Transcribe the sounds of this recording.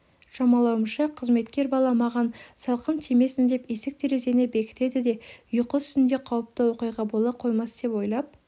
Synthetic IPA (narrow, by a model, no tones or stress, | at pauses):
ʃɑmɑlˠɑwəmʃɑqʰəzme̞t̪kʲe̞ɾbɑlˠɑmɑʁɑnsɑlˠqənt̪ʰeme̞sɪnd̪e̞pe̞sɪk̚t̪ʰe̞ɾe̞ze̞nebe̞kʲɪ̥t̪e̞d̪ɪd̪e̞ʏjəqəʏ̥st̪ɪnd̪e̞qʰɑwəp̚t̪əwo̞qɨjʁɑbo̞lˠɑqʰo̞jmɑsd̪̥e̞pwo̞jlˠɑp̚